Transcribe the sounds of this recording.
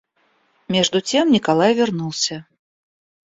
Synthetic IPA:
mʲɛʐd̪ut͡sʲɛmnʲikalˠajvʲɛrnulˠsʲɐ

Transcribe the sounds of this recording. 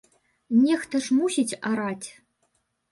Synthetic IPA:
nʲext̪ɐʂmusʲitʲaɾatʲ

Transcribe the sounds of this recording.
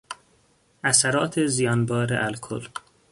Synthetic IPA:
ʔæsæɾɒːt̪ʰezijɒːnbɒːɾḛʔælkʰo̰l

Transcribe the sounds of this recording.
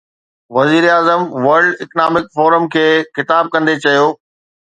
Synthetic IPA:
ʋɐziːɾaːzəmʋɐɾɖɪknaːmɪkfɔːɾəmkʰeːxɪt̪aːb̚kɐ̃nd̪et͡ɕɐjoː

